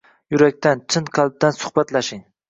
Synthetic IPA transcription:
jʊɾakʲt̪ʰant͡ʃʰɪnqʰɑlˠb̚d̪ansʊ̥hbat̪laʃɪŋ

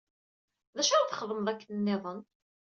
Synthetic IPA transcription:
ðæʃæɾθəχəðˤəmðˤækːənnːɪðˤən

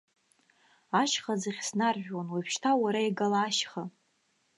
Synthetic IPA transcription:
aʃχazaχʲsnarʒᶣwanwapʰʃtʰawaɾaiɡalaːʃχa

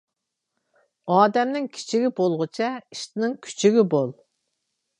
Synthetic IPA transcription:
ɑːd̪ɛmnɪŋkʲʰi̥t͡ʃʰiɡʲibolˠʁʊt͡ʃʰɛiʃt̪ɪnɪŋkʲʰy̥t͡ʃʰiɡʲibolˠ

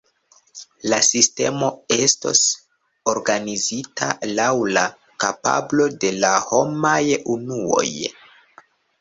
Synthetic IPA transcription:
lasiste̞̰mo̞e̞sto̰s | oɾɡanizitʰa̰lawla | kapa̰blo̞de̞laho̞majunuo̞̰j

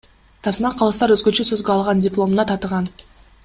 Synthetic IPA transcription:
t̪ʰɑsmɑqʰɑlˠɯst̪ɑɾøzɡø̞t͡ʃøsø̞zɡøɑlˠʁɑndʲɪplˠo̞mnɑt̪ʰɑt̪əʁɑn

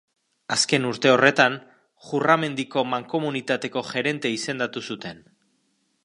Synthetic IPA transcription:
aske̞nuɾt̪e̞o̞re̞t̪an | ʝurame̞nd̪iko̞maŋko̞munit̪at̪e̞ko̞ʝe̞ɾe̞nt̪e̞ise̞nd̪at̪usut̪e̞n

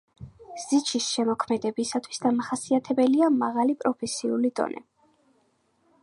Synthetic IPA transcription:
z̥it͡ʃʰisʃɛmɔkʰmɛd̪ɛbisat̪ʰwi̥sd̪amaχasiat̪ʰɛbɛliamaʁalipʼɾɔpʰɛsiulid̪̥ɔ̰nʔɛ̰

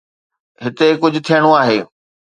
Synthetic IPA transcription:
ɦɪt̪ekʊd͡ʑʱʊ̆t̪ʰijəɽ̃oaːɦeː

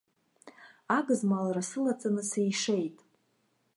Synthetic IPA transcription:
aɡɨzmalarasɨlat͡sʼanɨsejʂe̞jtʼ

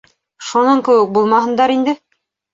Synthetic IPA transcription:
ʃunɑŋkɘ̆wɘk̚bulˠmɑɦɤ̆nd̪ɑɾind̪ɘ

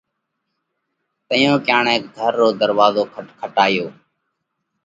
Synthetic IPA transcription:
t̪əjõːkjaːɳeːk̚ɡʱəɾːoːd̪əɾʋaːzoːkʰəʈkʰəʈaːjoː

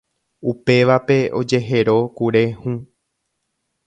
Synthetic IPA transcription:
upe̞ʋape̞o̞d͡ʒe̞ɦe̞ɾo̞kuɾe̞hũ

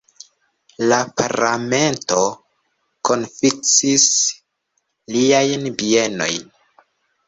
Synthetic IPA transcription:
lapaɾame̞nto̞ | ko̞nfik̚t͡sis | liajnbieno̞̰jn

